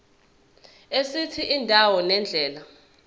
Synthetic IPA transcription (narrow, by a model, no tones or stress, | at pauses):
esitʰiʔindʱawɔnɛnd͡ɮʱɛːla